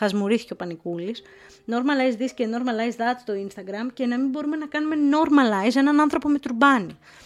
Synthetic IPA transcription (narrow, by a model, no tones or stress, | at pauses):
ɐzmuɾiθi̥ceopɐnikulis | no̞ɾmɐnlɐjzðisceno̞ɾmɐlɐizðɐt̪t͡s̪t̪o̞inst̪ɐɡɾɐmce̞nɐmibo̞ɾume̞nɐkɐnume̞no̞ɾmɐlɐise̞nɐnɐnθɾo̞po̞me̞t̪uɾbɐni